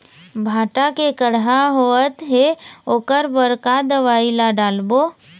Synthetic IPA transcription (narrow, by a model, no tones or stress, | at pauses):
bʱaːʈakekəɽɦaɦoət̪ɦeoːkəɾbəɾkad̪əʋaːilaɖaːlboː